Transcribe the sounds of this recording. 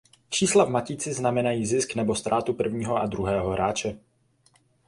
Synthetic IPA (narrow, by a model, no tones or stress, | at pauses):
pr̝̥iːslavmaciːt͡sɪznamɛnajiːzɪsknɛbo̞st̪ɾaːt̪upr̩vɲiːɦoʔad̪ɾuɦɛːɦoɦɾʔaːt͡ʃɛ